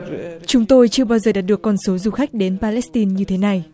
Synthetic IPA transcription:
t͡ɕʊ˨˦ŋ͡mt̪o˧jt͡ɕɨ˧əɓaː˧wzəː˨˩ɗaː˨˩t̚ɗɨ˨˩əkːɔ˧nso˨˦zu˨˩xa˦˥k̟̚ɗe˨˦npaː˧lɛ˦˥st̪i˧nɲɨ˧t̪ʰe˨˦na˨˩j

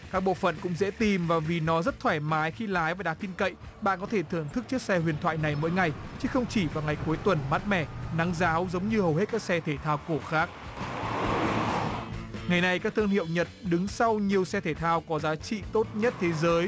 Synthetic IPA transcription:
kaː˦˥k̚ɓo̰˧˨fə̰˧˨nkʊ̰˧˥ŋ͡mzɛ̰˧˥t̪i˨˩mvaː˨˩vi˨˩nɔ˨˦zə˦˥t̚t̪ʰwaː˧˩jmaː˨˦jxi˧laː˨˦jvaː˨˩ɗaː˨˩ŋt̪i˧nkə̰˧˨j | ɓa̰ː˧˨nkɔ˨˦t̪ʰe˧˩t̪ʰɨ˧˩əŋt̪ʰɨ˦˥k̚t͡ɕɨ˦˥ək̚sɛ˧hwḭ˨˩ənt̪ʰwa̰ː˧˨jna˨˩jmo̰˧˥jŋa˨˩jt͡ɕɨ˨˦xə˧wŋ͡mt͡ɕi˧˩vaː˨˩wŋa˨˩jku˨˦əjt̪wə˨˩nmaː˦˥t̚mɛ˧˩na˨˦ŋzaː˨˦wzə˨˦wŋ͡mɲɨ˧hə˨˩whe˦˥t̚kaː˦˥k̚sɛ˧t̪ʰe˧˩t̪ʰaː˧wko˧˩xaː˦˥k̚ | ŋa˨˩jna˨jkaː˦˥k̚t̪ʰɨ˧ŋhḭ˧˨wɲə˨˩t̚ɗɨ˨˦ŋsa˧wɲi˨˩əwsɛ˧t̪ʰe˧˩t̪ʰaː˧wkɔ˨˦zaː˨˦t͡ɕḭ˧˨t̪o˦˥t̚ɲə˦˥t̚t̪ʰe˨˦zəː˨˦j

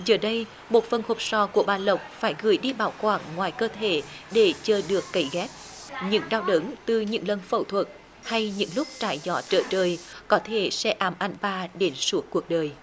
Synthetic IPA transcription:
zəː˨˩ɗə˧j | mo˨˩t̚fə˨˩nho˨˩p̚sɔ˧˩ku˧˩əɓaː˨˩lə˨˩wk͡p̚faː˧˩jɣɨ˧˩əjɗi˧ɓaː˧˩˦wkwaː˧˩ŋːwaː˨˩jkəː˧t̪ʰe˧˩ | ɗe˧˩t͡ɕəː˧˩ɗɨ˨˩əkːə˧˩jɣɛ˦˥t̚ | ɲɨ̰˧˥ŋɗaː˧wɗə˨˦ŋt̪ɨ˨˩ɲɨ̰˧˥ŋlə˨nfə̰˧˩wt̪ʰwə˨˩t̚ | ha˧jɲɨ̰˧˥ŋlʊ˦˥k͡p̚t͡ɕaː˧˩jzɔ˧˦t͡ɕəː˧˩t͡ɕəː˧˩jkɔ˨˦t̪ʰe˧˩sɛ̰˧ʔaː˧˩mʔa˧˩jŋ̟ɓaː˧ɗe˨˦nsu˨˦əkkːu˨˩ək̚ɗəː˨˩j

